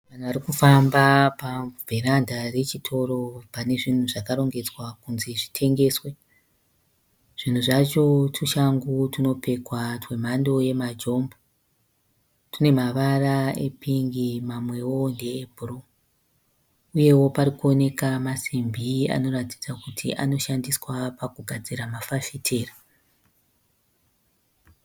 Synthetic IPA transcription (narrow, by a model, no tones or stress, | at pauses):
ʋan̤uʋaɾikufambapavʱeɾandʱare̞t͡ʃitʰo̞ɾo̞pane̞ʐin̤uʐakaɾo̞ŋɡe̞d͡zwakunziʐitʰe̞ŋɡe̞ːswe | ʐ̥in̤uʐat͡ʃo̞tʰuʃaŋɡutuno̞pe̞kwatwe̞m̤ando̞je̞mad͡ʒo̞mbo | tune̞maʋaraḛpʰiŋɡimamwe̞wo̞nde̞ːbʱuru | uje̞wo̞paɾikuo̞ne̞kamasimbʱia̰no̞rati̥d͡zakutʰḭʔa̰no̞ʃandiswapakuɡʱad͡ziɾamafafitʰeːra